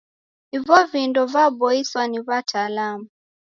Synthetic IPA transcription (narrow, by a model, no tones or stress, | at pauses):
ivɔvindɔvabɔiswaniβatʰalamu